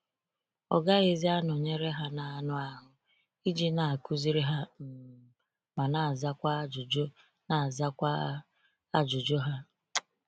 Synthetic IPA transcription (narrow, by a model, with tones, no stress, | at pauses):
ɔ̰˨ɡa˦e˨zi˦a˦nʊ˨ɲe˦ɾe˦ɦa˦na˨a˨nʊ˦a˦ɦʊ˨ | i˦d͡ʒi˦na˨a˨ku˦zi˦ɾi˦ɦa˦m̩˨ | ma˨na˨za˦kʷa˦d͡ʒd͡ʒ | na˨za˦kʷa˦ | a˦d͡ʒʊ˨d͡ʒo˦ɦa˦